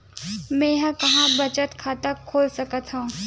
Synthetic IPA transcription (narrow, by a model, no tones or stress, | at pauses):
mɛ̃jɦə̃kɐɦãbɐt͡ʃət̪kʰaːt̪əkʰːoːlsɐkət̪ɦũː